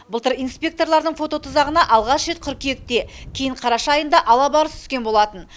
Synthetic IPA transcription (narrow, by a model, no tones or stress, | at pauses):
bəlˠt̪əɾijnspʲe̞k̚t̪o̞ɾlˠɑɾd̪əɴfo̞t̪o̞t̪ʰʊzɑʁənɑʔɑlˠʁɑʃʒe̞t̪̚qʰʏɾkʲejek̚t̪e̞kʲʰejɪɴqʰɑɾɑʃɑɑjənd̪ɑʔɑlˠɑbɑɾəst̪ʰʏ̥skʲenbo̞lˠɑt̪ən